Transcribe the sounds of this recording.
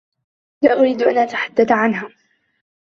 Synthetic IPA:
laʔʊɾiːd̪ʔanʔat̪ḁħad̪ːaθʕanɦaː

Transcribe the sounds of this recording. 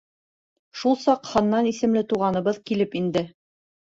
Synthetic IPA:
ʃulˠsɑqhɤ̆nːɑnisɘ̆mlɘt̪uʁɑnɤ̆βɤðkilɘpind̪ɘ

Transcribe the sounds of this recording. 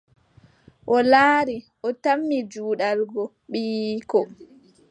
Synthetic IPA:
ʔɔlaːɾi | ʔɔtamːid͡ʒuːɗalɡɔ | ɓiːkɔ

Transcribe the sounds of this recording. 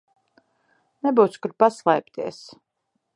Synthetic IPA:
nɛbuwt̪skuɾ̚paslˠɛjp̚t̪iɛs

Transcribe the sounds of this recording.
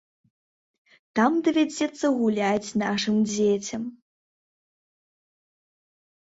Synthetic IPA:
t̪amd̪ɐvʲad͡zʲɛt̪sːɐɣulʲat͡sʲnaʂɨmd͡zʲet͡sʲɐm

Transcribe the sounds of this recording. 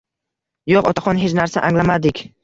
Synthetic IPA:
joqɒ̰t̪ʰaχɒnɦet͡ʃnaɾsaʔaŋlamad̪ɪkʲ

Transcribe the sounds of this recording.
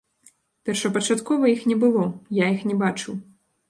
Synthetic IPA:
pʲɛrʂɐpɐt͡ʂat̪kɔvɐjixnʲɛbɨlˠɔjaixnʲɛbat͡ʂɨw

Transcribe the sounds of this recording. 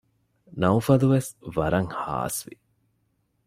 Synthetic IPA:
nɐufɐluʋesʋɐɾɐŋha̰ːsʋi

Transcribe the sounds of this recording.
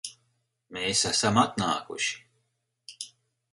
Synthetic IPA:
meːsasamat̪naːkṵʃi̥

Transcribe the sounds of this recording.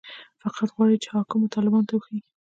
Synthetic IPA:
faqʰat̪ɣwɑɽit͡ʃe̥hɑkumt̪ɑlɪbɑnot̪awuxeɡi

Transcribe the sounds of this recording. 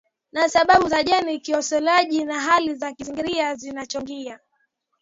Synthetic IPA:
nasaɓaɓuzaʄɛnikiɔsɔlaʄinaɦalizakiziŋɡiɾiazinat͡ʃɔŋɡia

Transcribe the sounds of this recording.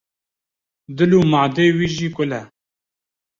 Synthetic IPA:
d̪ɨluːmaːd̪eːwiːʒiːkʊlɛ

